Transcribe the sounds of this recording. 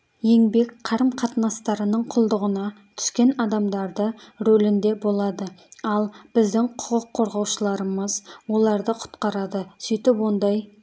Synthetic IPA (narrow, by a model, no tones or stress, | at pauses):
je̞ŋbe̞kqʰɑɾəmqʰɑt̪nɑst̪ɑɾənəɴqʰʊlˠd̪əʁənɑ | t̪ʰʏ̥skʲe̞nɑd̪ɑmd̪ɑɾd̪əɾolɪnd̪e̞bo̞lˠɑd̪əɑlˠbɪzd̪ɪŋqʰʊ̥qəqʰːo̞ɾʁɑwʃəlˠɑɾəməzwo̞lˠɑɾd̪əqʰʊ̥t̪qɑɾɑd̪əsijt̪ɪpwo̞nd̪ɑj